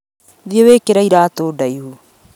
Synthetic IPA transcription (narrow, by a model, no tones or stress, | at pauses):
ðjewekeɾaiɾaːt̪odaihu